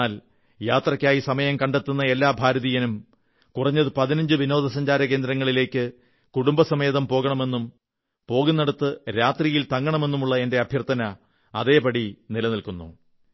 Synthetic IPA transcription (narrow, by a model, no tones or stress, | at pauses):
aːl | jaːt̪rɐkʲːaːjisɐmɐjɐmkɐɳɖe̞t̪ːunːɐe̞lːaːbʱaːɾɐðijɐnum | kurɐɲːɐðɨpɐðinɐɲd͡ʑɨʋino̞ːd̪ʱɐs̬ɐɲd͡ʑaːɾɐk̬e̞ːnd̪ɾɐŋːɐɭile̞ːkːɨ | kuɽumbɐsɐmɐjɐðɐmpo̞ːɣɐɳɐme̞nːum | po̞ːɣunːɐɽut̪ːɨɾaːt̪rijilt̪ɐŋːɐɳɐme̞nːumuɭːɐe̞nde̞ɐbʱjɐrt̪ʰːɐnɐ | ɐðe̞ːpɐɽinilɐnilkunːṵ